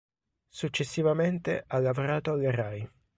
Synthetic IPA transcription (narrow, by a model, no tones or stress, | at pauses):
sut͡ʃːesːivament̪eʔalːavoɾaːt̪oalːeraj